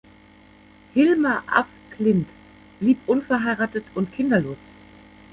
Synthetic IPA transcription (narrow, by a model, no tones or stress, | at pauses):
hɪlmaʔa̰f | kʰlɪnt | b̥liːpʔʊnfɛɐɦaɪʁaːtətʊntkʰɪndɐloːs